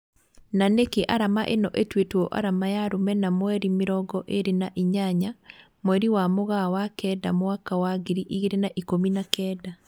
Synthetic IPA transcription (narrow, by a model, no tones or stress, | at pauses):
nanekeʔaɾamaʔenɔʔetwetwɔʔa̰ɾamajaɾomɛnamwɛɾimeɾɔɡɔʔeɾenaʔiɲaɲa | mwɛɾiwamoɣawakɛda̰mwakawaɡeɾiʔiɣeɾenaʔikominakɛda